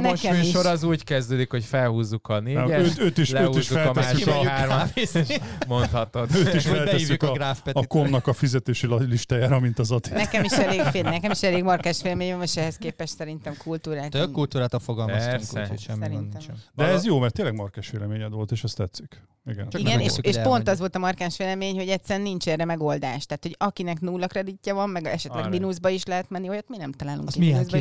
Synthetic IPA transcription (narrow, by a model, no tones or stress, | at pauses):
nɛʃmyʃoɾɒzuːɟkɛzd̪øːd̪ikho̞cfɛlhuːzːukʰɒneːɛøøːt̪iʃlɛøːhuːizʃːufɛlmasːʃyaaːrmavizeʃmont̪hɒt̪od̪øːt̪iʃɛlɛɛivikɡraːfpɛtːikomnɒkɒfizɛt̪eːʃilliʃt̪aːjaːɾɒmint̪ɒzɒt̪inɛkɛmiʃɛleːfnɛkɛmiʃɛleːɡmɒrkaːʃʋeːlɛmeːɲɛmɛʃɛɦɛskeːpɛʃt̪sɛɾint̪ɛmkʰult̪uːɾaːt̪økult̪uːɾaːt̪oːlfoɡɒlmɔsɛɾsɛ̰ | d̪ɛɛzjoːmɛɾrt̪ːeːlːɛɡmɒrkaːʃʋeːlɛmeːɲɛd̪ʋo̞lt̪eːʃɛst̪ɛt̪sːyk | iɡɛ̰niɡɛneʃːʃpo̞nt̪ɒzʋo̞lt̪ɒmɒrkaːʃʋeːlɛmeːɲho̞ɟɛt̪sːɛlɛnint͡ʃɛrɛmɛɡo̞ld̪aːʃt̪aːt̪ho̞ɟɒkinɛknuːlːɒkrɛd̪icːɛvɒmːɛɡɛʃɛt̪lɛɡminuzbɒiʃlɛɦɛt̪mɛnːiojɒt̪minɛmt̪ɒlaːlṵŋkiiuzb